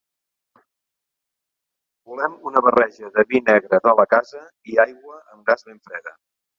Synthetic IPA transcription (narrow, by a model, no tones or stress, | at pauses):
bulɛmunəβərɛʒəðəβinɛɣɾəðələkazə | iajɣwəəmɡazβeɱfɾɛðə